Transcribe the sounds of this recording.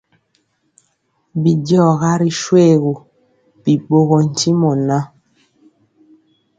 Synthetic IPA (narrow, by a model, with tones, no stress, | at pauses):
bi˨dɔ˦˨ɣa˦ɾi˨ʃwe˦˨ɣu˨ | bi˨ɓo˦ɣɔ˨n̩˨ti˦mɔ˨na˦